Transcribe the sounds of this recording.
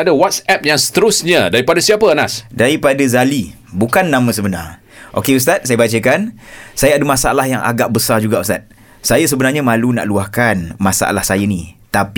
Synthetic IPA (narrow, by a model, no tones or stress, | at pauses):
adawat̪sɛp̚jaŋsə̥t̪əɾusɲadaɾipadasiapənasdaɾipadazali | bukanːãmə̃səbəna̰r | ʔo̰keust̪at̪̚sajəbat͡ʃəkansajaadəmãsaalahjaŋʔa̰ɡaʔ̚bəsard͡ʒuɡaʔust̪at̪̚ | sajas̬əbənarɲamalunã̰ʔluahkanmasa̰ʔa̰lahsajanĩt̪ap